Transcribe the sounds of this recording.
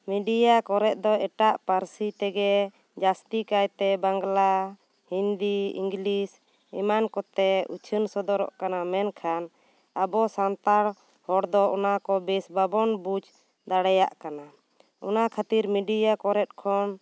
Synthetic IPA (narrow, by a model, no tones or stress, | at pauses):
miɖijakɔɾɛt̪̚ˀd̪ɔɛʈaʔpaɾsit̪ɛɡɛ | d͡ʒast̪ikajt̪ɛbaŋɡla | hind̪iḭŋɡlis | ɛ̰mankɔt̪ɛṵt͡ʃʰənsɔd̪ɔɾɔ̰ʔkanamɛnkʰan | abɔsant̪aɽ | hɔɽd̪ɔɔnakɔbɛsbabɔnbud͡ʒ | d̪aɽɛja̰ʔkana | ɔ̰nakʰat̪iɾmiɖijakɔɾɛt̪̚kʰɔn